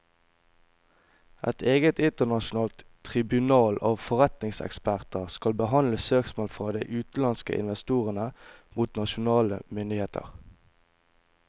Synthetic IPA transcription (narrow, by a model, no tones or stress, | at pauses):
ʔɛt̪ʰeːɡət̪ɪnt̪ənɑʃʊnɑːlt̪ʰʁɪbʉnɑːlɑːʋfɔʁɛt̪nɪŋsɛ̰kspæʁt̪əʁskɑlbəɦɑnləsøːksmoːlfʁɑːd̪æɪʔʉːt̪̩lɑnskə̰ʔɪ̰nʋɛst̪uːʁənəmuːt̪nɑʃʊnɑːlə̰mʏnd̪ɪheːt̪ʰə̰ʁ